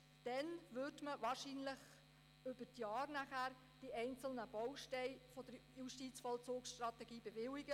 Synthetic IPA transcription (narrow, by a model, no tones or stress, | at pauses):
d̥ɛnʋʏɾdməʋɑːɾʃiːnləχ | ʏb̥ətjɑːɾnæχæːɾ | d̥iʔɛɪnt͡sl̩nəb̥ɔwʃtɛɪfɔd̥əɾjuʃtiːt͡sfɔlt͡soːksʃtrɑt̪ɛɡiːbevɪlɪɡə